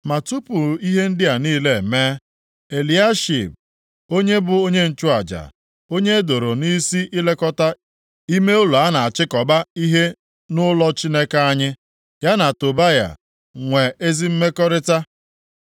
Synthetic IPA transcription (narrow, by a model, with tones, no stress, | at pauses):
ma˨tu˦pʊ˨i˦ɦe˦n̩˦dɪ˦a˨niː˦le˨e˨me˦ | e˨li˨a˦ʃḭ˨b̚ | o˦ɲe˦bʊ˨o˦ɲe˦n̩˨t͡ʃʊ˦a˨d͡ʒa̰˨ | o˦ɲe˦e˦do˨ɾo˨ni˦si˦ʔi˦le˦kɔ˦ta˦ | i˦me˦ʊ˦lu˨a˦na˨a˨t͡ʃɪ˦kɔ˨ba˦i˦ɦe˦ | nʊ˦lɔ˦t͡ʃi˦ne˦ka˦a˦ɲɪ˦ | ja˦na˨to˨ba˦ja̰˨ | ŋʷe˨e˦zi˦m̩˦me˦kɔ˦ɾɪ˦ta˦